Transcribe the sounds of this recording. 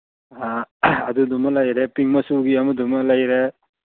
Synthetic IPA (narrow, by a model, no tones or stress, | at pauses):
aad̪ud̪umalajɾepiŋmasuɡijamud̪umalajɾe